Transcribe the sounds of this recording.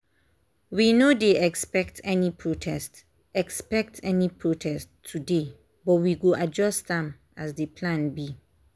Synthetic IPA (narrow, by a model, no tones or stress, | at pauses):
winodeɛkspɛk̚tʰɛnipʰɹotʰɛst | ɛkspɛk̚tʰɛnipʰɹotʰɛstʰːude | bɔtwiɡoʔad͡ʒɔstdɛ̃m | asdepʰlãnbi